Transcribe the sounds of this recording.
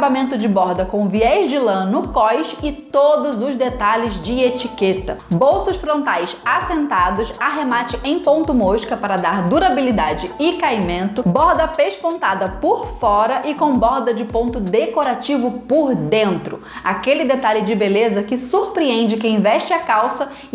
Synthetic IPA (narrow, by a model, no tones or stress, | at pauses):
abamẽnt̪ʊd͡ʒɪbɔɾd̪ɐkõviɛzd͡ʒɪlɐ̃nʊkɔjʃɪtt̪od̪ʊzʊzd̪et̪alɪzd͡ʒɪet͡ʃiket̪ɐbowsʊʃfɾõnt̪ajsasẽnt̪ad̪ʊsaɦemat͡ʃɪʔẽj̃põnt̪ʊmoʃkɐpaɾɐd̪aɾd̪uɾabilid̪ad͡ʒɪɪkajmẽnt̪ʊbɔɾd̪ɐpeʃpõnt̪ad̪ɐpʊɾfɔɾɐʔɪkõw̃bɔɾd̪ɐd͡ʒɪpõnt̪ʊd̪ekoɾat͡ʃivʊpʊɾd̪ẽnt̪ɾʊ̰ | akelɪd̪et̪alɪd͡ʒɪbelezɐkɪsuɾpɾiẽnd͡ʒɪkɪĩvɛʃt͡ʃɪakawsɐ